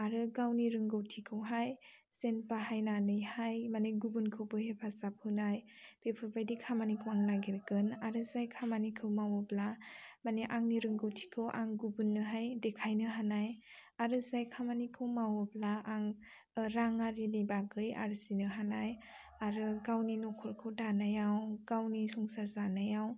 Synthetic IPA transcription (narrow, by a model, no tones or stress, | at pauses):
aɾɯɡawniɾɯŋɡɯwtʰikʰɯwɦaj | senpaɦajnanɯjhajmaneɡubunkʰɯwbɯhepʰasap̚hɯnajpʰepʰɯɾbajdikʰamanikʰɯwaŋnaɡeɾkɯnaɾɯzajkʰamanikʰɯwmawɔblamaneʔaŋniɾɯŋɡɯwtʰi̥kʰɯwʔa̰ŋɡubunːɯɦajdekʰajnɯɦanajaɾɯzajkʰamanikʰɯwmawɔblaaŋ | ɾaŋaɾinibaɡɯja̰ɾɯsinɯɦanaj | aɾɯɡawninɔkʰɔɾkʰɯwdanajawɡ̥awnisɔŋsaɾzanajaw